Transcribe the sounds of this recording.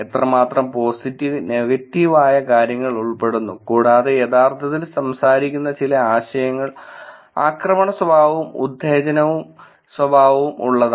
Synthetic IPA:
et̪rɐmaːt̪rɐmpo̞ːsitːiʋne̞ɣɐtːiʋaːjɐkaːɾjɐŋːɐɭuɭpe̞ɽunːukuːɽaːðejed̪aːrt̪ʰɐt̪ːilsɐmsaːɾikʲːunːɐt͡ɕilɐaːɕɐjɐŋːɐɭ | a̰ːkrɐmɐɳɐswɐbʱaːʋumṵd̪ʱːeːd͡ʑɐnɐʋum | swɐbʱaːʋɐʋumṵɭːɐða

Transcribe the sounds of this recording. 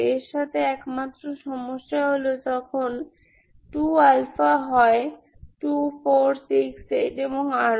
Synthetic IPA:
eɾʃat̪ʰeɛkmat̪ːɾoʃɔmoʃːaɦolod͡ʑɔkʰon | ʈualfaɦɔe | ʈufoɾsikseʈeboŋa

